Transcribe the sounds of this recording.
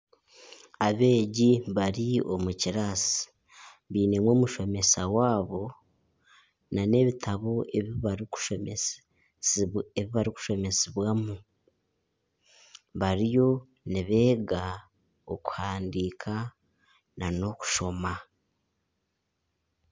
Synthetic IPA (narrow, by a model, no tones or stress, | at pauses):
aβe̞ːɟiβaɾiomuciɾasi̥ | βiːnemwo̞ːmuʃo̞me̞sawaːβo̞ | nane̞βitʰaβo̞eβiβaɾiku̥ʃo | eβiβaɾiku̥ʃo̞me̞siβwamu | βaɾijo̞ | niβe̞ːɡa | oku̥haːndiːkʰa | nano̞ku̥ʃo̞ma